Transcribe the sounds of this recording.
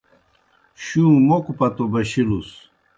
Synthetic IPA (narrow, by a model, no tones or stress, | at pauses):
ɕũːmokupɐt̪obɐɕilus